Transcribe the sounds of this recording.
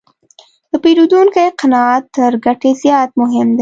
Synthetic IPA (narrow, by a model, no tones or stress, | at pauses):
d̪̥əpiːɾud̪uːnkeeqɐnɑt̪ːəɾɡɐʈezjɑːt̪mʊɦɪmd̪e